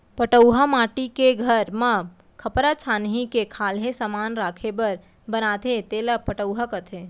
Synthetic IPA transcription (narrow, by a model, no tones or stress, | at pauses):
pəʈəʊɦamaːʈikeɡʱəɾmə | kʰəpɾat͡ʃʰaːnɦikekʰaːlɦesamaːnɾaːkʰebəɾ | bənat̪ʰet̪eːləpəʈəʊɦakət̪ʰe